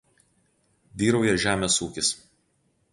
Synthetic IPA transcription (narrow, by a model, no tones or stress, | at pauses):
d̪ʲiːɾɐʊjɛʒʲæːmʲeːsuːkʲɪs